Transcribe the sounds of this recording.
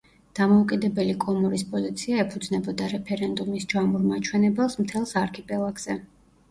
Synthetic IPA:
d̪̥amɔukʼid̪ɛbɛlikʼɔmɔɾispʼɔzit̪sʰiaɛpʰud̪znɛbɔd̪aɾɛpʰɛɾɛnd̪umisd͡ʒamuɾmat͡ʃʰwɛnɛbɛlˠsmt̪ʰɛlˠsaɾkʰɛpʼɛlˠaɡz̥ɛ

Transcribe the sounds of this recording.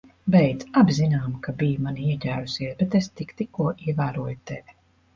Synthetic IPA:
bɛjd̪zabzinaːmkabijumaniiɛcʲæːɾusiɛsbɛt̪est̪ikt̪ikːuɔʔiɛvæːɾuɔjut̪evʲ

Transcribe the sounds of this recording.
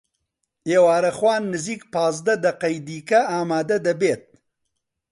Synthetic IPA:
eːwaːɾɐxwaːnːɨziːkpaːzd̪ɐd̪ɐqɐjd̪iːkɐaːmaːd̪ɐd̪ɐbeːt̪̚

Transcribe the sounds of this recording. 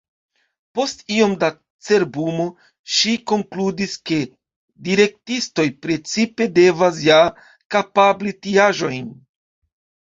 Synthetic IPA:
po̞stio̞mda | t͡se̞ɾbumo̞ | ʃiko̞ŋkludiske̞ | diɾe̞k̚tisto̞jpɾe̞t͡sipe̞de̞vas̬ja | kapablitiaʒo̞jn

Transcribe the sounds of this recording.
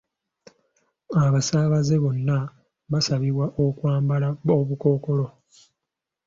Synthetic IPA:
aβasaːβaze̞βo̞nːa | βasaβiβwaʔokwaːmbalaoβuko̞ːko̞lo̞

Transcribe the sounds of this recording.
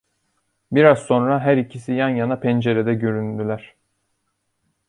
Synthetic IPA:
biɾazso̞nɾaɦæɾicʰisijanjanapʰɛnd͡ʒe̞ɾed̪ɛɟøɾynd̪ylʲæɾ̥

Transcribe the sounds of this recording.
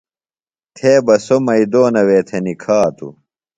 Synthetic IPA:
t̪ʰeːbɐsomɐid̪oːnɐweːt̪ʰenikʰaːt̪ṵ

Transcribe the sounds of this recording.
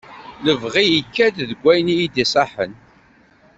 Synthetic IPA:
ləvʁijikːæd̪ðəɡʷːæjnijid̪isˤɑħən

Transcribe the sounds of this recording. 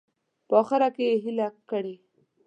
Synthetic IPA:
pəɑxɪɾakejeɦilakəɽe

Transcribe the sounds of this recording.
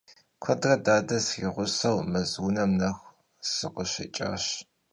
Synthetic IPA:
kʷʰɔdrɐdaːdɐsɪʁʷʊsɐwmɨzunɐmnɐxʷ | sɨqəɕɪ̰t͡ʃʼa̰ːɕ

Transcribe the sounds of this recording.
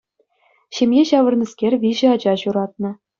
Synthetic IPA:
ɕemʲjeɕɑʋɤ̆rnʲiskʲerʲʋʲiʑɘ̆ɑd͡ʑɑɕuɾɑt̪̚nɤ̆

